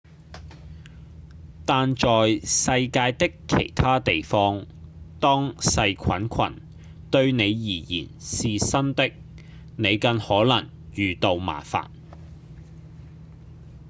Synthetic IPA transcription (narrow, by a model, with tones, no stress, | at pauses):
t̪aː˨nt͡ʃɔː˨jsɐ˧jkaː˧jt̪ɪ˥kʰːḛ˨˩jt̪ʰaː˥t̪e˨jfɔː˥ŋ | t̪ɔː˥ŋsɐ˧jkʰɐ˨˥nkʷʰɐ̰˨˩n | t̪ɵ˧ɥne˨˧jjiː˨˩jḭː˨˩nsiː˨sɐ˥nt̪ɪ˥k̚ | ne˨˧jkɐ˧nhɔː˨˥lɐ˨˩ŋ | jyː˨t̪o˨wma̰ː˨˩fa̰ː˨˩n